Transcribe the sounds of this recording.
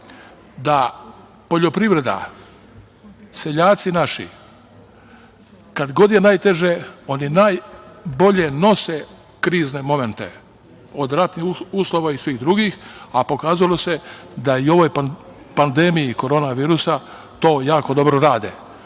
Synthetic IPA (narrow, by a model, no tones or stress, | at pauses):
d̪a | po̞ʎo̞pɾiʋɾe̞d̪a̰ | se̞ʎaːt̪sinaʃḭ | kad̪ɡo̞d̪je̞naːjt̪e̞ʒeo̞ninaːjbo̞ʎe̞no̞se | kɾiːznemo̞me̞nt̪e̞̰ | od̪ɾat̪niuːslˠo̞ʋaisʋiːxd̪ɾuɡiːxapo̞kaːzalo̞se̞d̪aio̞ʋo̞j | pand̪emijiko̞ɾo̞ːnaʋiːɾusa | t̪o̞ːjaːko̞d̪o̞bɾoɾaːd̪ḛ